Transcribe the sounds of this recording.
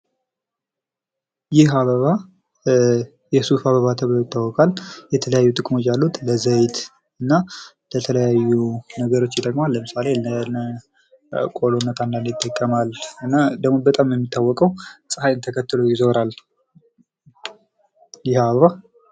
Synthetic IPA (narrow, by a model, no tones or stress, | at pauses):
jɪɦaβəβa | jɛsufaβəβat̪ʰəβt̪ʰawɔkʼaljɛt̪ʰələjajːut̪ʼɨkʼmo̞t͡ʃːjalːut̪ləzəjt̪ | ɨnːa | lət̪ʰələjajːunəɡəɾo̞t͡ʃːjɪd̪əkʼmalːəmɨsalelənə | kʼolonːət̪ʰanːalɪt̪ʼːəkʼːəmalɨnːad̪əɡmo̞bət̪ʼamjɛmːit̪ʰːawːɔkʼəwsʼɨhajɨnt̪ʰəkʰət̪ːɨlojɪzoɾal | jɪhaβəβa